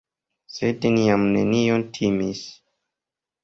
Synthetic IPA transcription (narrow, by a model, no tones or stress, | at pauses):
sedniamnḛniontʰimis